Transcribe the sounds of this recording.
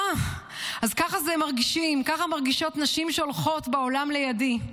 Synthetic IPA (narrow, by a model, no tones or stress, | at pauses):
azkaχazemaʁɡiʃimkaχamaʁɡiʃo̞tnaʃimʃeolχo̞tbeolamle̞jadi